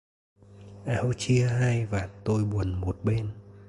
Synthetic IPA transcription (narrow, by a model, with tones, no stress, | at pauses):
ʔa˧˦o˧t͡ɕi˧əɦaː˧jvaː˨˩t̪o˧jɓu˨˩ənmo˨˩t̚ɓe˧n